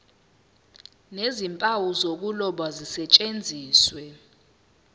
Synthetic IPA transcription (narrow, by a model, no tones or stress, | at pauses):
nezimpʼawuzok̬ulɔɓwazisɛt͡ʃʼend͡zʱiːswɛ